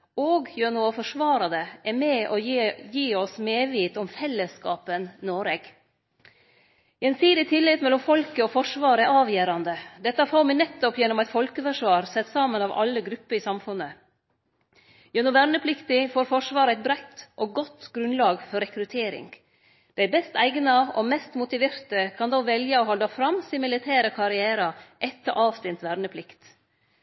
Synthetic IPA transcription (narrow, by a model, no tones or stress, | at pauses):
oːɡjønuɔfɔʂʋɑːɾɑd̪əʔɛɾmɛːʔɔjiːɔsmeːʋiːt̪ɔmfɛlːəskɑːpənnoːɾeɡ̥ | ɛnsiːd̪ɪt̪ʰɪlːɪt̪mɛlːɔmfɔlkəɔːfɔʂʋɑːɾəɛʔɑːʋjæːɾɑnd̪əd̪ɛt̪ːɑfoːɾmɪnɛt̪ːɔpjɛnːɔmæɪt̪fɔlkəfœʂʋɑːɾsɛt̪ːsɑːmənɑːʋɑ̰lːəɡɾʉpːəɾɪːsɑmfʉnːə | jɛnɔʋæɾnəpʰlɪkt̪ɪfoːɾfɔʂʋɑːɾəæɪt̪̚bɾæɪt̪ːʔoːɡɔt̪ːɡ̥ɾʉnlɑːɡfɔɾɛkɾʉt̪ʰeːɾɪ̰ŋ | d̪̥æɪbɛst̪æɪɡnɑɔmɛst̪mʊt̪ɪʋeːɾt̪əkʰɑnd̪oʋɛljəɔːhɔld̪ɑfɾɑmsɪmɪlɪt̪ʰæːɾəkʰɑɾɪæːɾɑʔɛt̪ːəʔɑːʋst̪ɪnt̪ʋæɾnəpʰlɪkt̪